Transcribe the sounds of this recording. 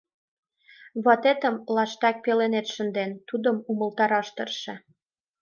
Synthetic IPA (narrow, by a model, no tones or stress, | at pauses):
βɑt̪et̪ə̆mlɑʃt̪æk̚pelenet̪ʃə̆nd̪ent̪ud̪ə̆mumə̆lt̪ɑɾɑʃt̪ə̆rʃĕ